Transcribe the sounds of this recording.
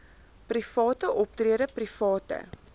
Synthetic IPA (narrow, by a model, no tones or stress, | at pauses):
prifɑːtəʔɔp̚triəɾəprifɑːtə̰